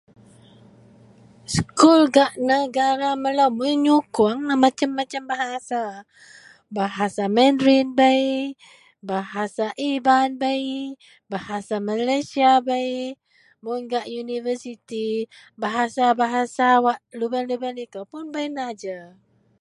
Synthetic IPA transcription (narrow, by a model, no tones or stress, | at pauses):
skulɡaʔnəɡaɾaməlawmuɲukuaŋamat͡ʃamːat͡ʃambaɦasa | baɦasamɛndɾinbəi | baɦasaʔibanbəj | bahasamalajsiabəj | munɡaʔjunivəsit̪i | baɦasabaɦasawaʔlubənlubənikəpʊnbəjnad͡ʒa